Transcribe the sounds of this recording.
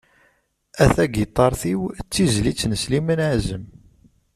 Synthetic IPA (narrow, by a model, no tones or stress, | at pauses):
æθæɡit̪ˤːɑɾˤθiwt͡sːizlit͡sːnəslimənaʕzəm